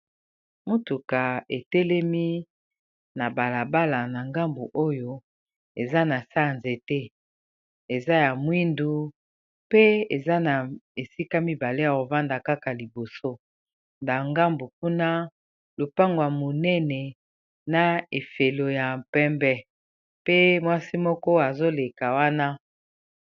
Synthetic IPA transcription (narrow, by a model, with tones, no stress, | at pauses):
mo˦tu˨ka˨e˨tɛ˦lɛ˦mi˦ | na˨ba˨la˨ba˦la˨na˨ŋɡa˦mbo˨ʔo˦jo˦ | e˨za˦na˨sa˦˨nze˨te˦ | e˨za˦ja˨mwi˦ndu˦ | pe˦ḛ˨za˦na˨e˨si˦ka˦mi˦ba˨le˦a˨o˨va˦nda˨ka˦ka˨li˨bo˨so˦ | nda˨ŋɡa˦mbo˨k̚u˦na˦ | lo˨pa˦ŋɡo˨a˨mo˨nɛ˦nɛ˨ | na˨e˨fe˨lo˨ja˨pɛ˦mbɛ˦ | pe˦mwa˦si˦mɔ˦kɔ˦a˨zo˦le˨ka˨wa˦na˦